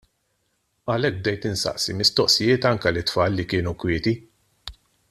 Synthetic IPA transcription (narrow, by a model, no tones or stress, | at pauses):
ɐlɛk̚b̚d̪ɛjt̪ɪnsɐ̰ʔsimɪst̪ɔʔsɪjɪːt̪ɐŋkɛlɪt̪ːfɐːlːikɪːnukwɪːt̪i